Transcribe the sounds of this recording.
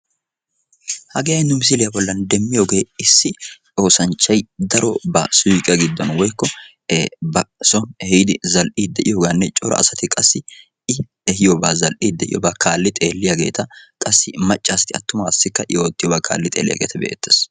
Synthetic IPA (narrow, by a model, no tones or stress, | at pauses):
hɐɡɛjɐɪnːʊmɪs̬ɪlɪjɐbɔlːɐnd̪ɛmːɪjoːɡe̞ːɪsːɪ | o̞ːsɐnt͡ʃːɐjd̪ɐɾɔ̰bɐsʊjkʼɐɡɪd̪ːɔnwɔjkːɔ | bɐsɔnhɛjɪd̪ɪzɐlʔiːd̪ɛʔɪjoːɡaːnːɛt͡ʃʼɔɾɐ̰ʔɐ̰sɐt̪ɪkʼɐsːɪ | ɪ | ɛhɪjobaːzɐlʔid̪ɛʔɪ̰jɔ̰bɐkʰaːlːɪt̪ʼeːlːɪjɐɡe̞̰ːt̪ɐkʼɐsːɪmɐt͡ʃʼːaːst̪ɪɐt̪ːʊmaːsːɪkːɐʔɪ̰joːt̪ːɪjobɐkʰa̰ːlːɪt̪ʼe̞̰ːlːɪ̰jɐ̰ɡḛːt̪ɐbɛ̰ʔḛt̪ːeːs